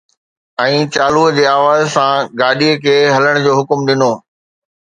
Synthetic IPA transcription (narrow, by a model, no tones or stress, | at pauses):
ɛ̃ːt͡ɕaːluːəd͡ʑeːaːʋaːzsãɡaːɗiəkʰeːɦɐləɽ̃d͡ʑoːɦʊkmɗɪnoː